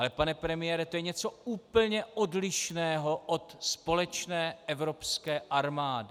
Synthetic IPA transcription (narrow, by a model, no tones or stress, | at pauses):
alɛpanɛpɾɛmɪjɛɾɛt̪ojɛɲɛt͡so̞uːpl̩ɲɛʔodlɪʃnɛːɦo̞ʔot̪spo̞lɛt͡ʃnɛːʔɛvɾo̞pskɛːʔaɾmaːdɪ